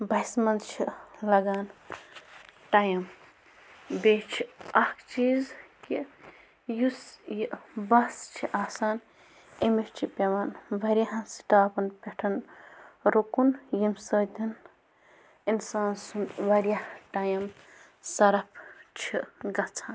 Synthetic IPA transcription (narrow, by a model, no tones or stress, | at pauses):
bɐjsmɐnt͡ʃʰilɐɡaːn | ʈajɐm | beːt͡ʃʰiɐhkt͡ʃiːzki | jusjibɐst͡ʃʰiʔaːsaːn | emist͡ʃʰipeʋaːnʋɐɾaɦãsi̥ʈaːpɐnpeʈʰɐn | ɾokunjimsəd̪in | insaːnsunʋɐɾijaʈaːjɐm | sɐɾɐpʰt͡ʃʰiɡɐt͡sʰaːn